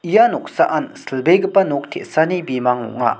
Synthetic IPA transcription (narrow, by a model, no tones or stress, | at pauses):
ʔijanok̚saʔansəlbeɡəpːanok̚t̪ʰḛʔsanebimaŋo̰ʔŋaʔ